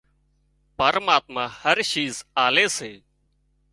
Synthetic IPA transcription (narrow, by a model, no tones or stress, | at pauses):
pəɾmaːt̪mãːhəɾʃiːzaːleːseː